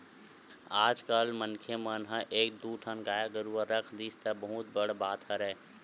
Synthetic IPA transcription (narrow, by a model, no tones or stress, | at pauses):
aːd͡ʒkalmənkʰemənɦãʔeːk̚d̪uːʈʰənɡaːjaɡəɾuaɾɐkʰd̪iːst̪abɐɦʊt̪̚bɐɽbaːt̪ɦɐɾɛː